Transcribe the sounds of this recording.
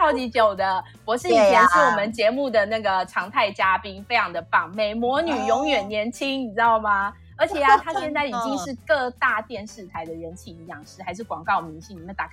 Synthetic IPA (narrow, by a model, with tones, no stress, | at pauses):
ɑ˥˩ʊt͡ɕi˧˥t͡ɕjo˨˩ʊd̪ə˦ | pwɔ˧˦˥ʂɻ̩˥˩i˨t͡ɕʰjɛ˧˥ʂ̩˥˩wɔ˧˨˩mə˨˦nt͡ɕjɛ˧˥mu˥˩d̪ə˩na˥˩ɡə˩ʈ͡ʂʰɑ˧˥ŋt̪ʰa˥˩ɪt͡ɕja˥pi˥ŋfe˥ɪjɑ˧˥ŋd̪ə˨fɑ˨˩ŋme˨˩ɪmwɔ˧˦˥ny˨˩jɔ˧˥ŋɥɛ˨˩nnjɛ˧˥nt͡ɕʰi˥ŋi˨˩t͡s̪ɑ˥˩ʊma˩ | ə˞˧˥t͡ɕʰjɛ˨˩a˨˩t̪ʰa˥ɕɕjnt͡sa˥˩ɪi˨˩t͡ɕi˦ŋʂɻ̩˥˧kɤ˥˧t̪a˥˧t̪jɛ˥˧nʂɻ̩˥˩t̪ʰa˧˥ɪd̪ə˨ɻə˧˥nt͡ɕʰi˧˨˩i˨˧˦jɑ˥˩ŋʂɻ̩˥˩xa˧˥ɪʂɻ̩˥˩kwɑ˨˩ŋkɑ˥˩ʊmi˧˥ŋɕi˥˩ŋni˨˩mə˦nt̪a˨˩kʰ